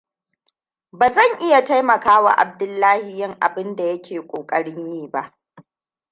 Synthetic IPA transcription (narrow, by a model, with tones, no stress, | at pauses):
baː˨zɐ˦˨ŋʔɪ˦ja˨ta˦jmɐ˨kaː˦wa̰˨ʔa̰˨b̚dʊ˦lːaː˦hi˨jɪ˦˨ŋʔa̰˨bɪ˦nda˨jɐ˦kʲʰeː˨kʷʼoː˨kʼɐ˦ɽɪ˦ɲjiː˦˨ba˦ʔ